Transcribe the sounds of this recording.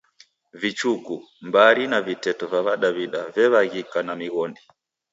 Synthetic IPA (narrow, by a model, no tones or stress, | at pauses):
vit͡ʃuku | mbaɾinavitɛtɔvaβaɗaβiɗavɛβaɣikanamiɣɔndi